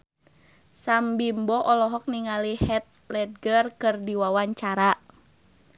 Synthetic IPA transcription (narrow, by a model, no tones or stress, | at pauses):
sambimbɔʔɔlɔɦɔk̚niŋalihɛt̪̚lɛd̚ɡərkɨrdiwawaɲt͡ʃaɾa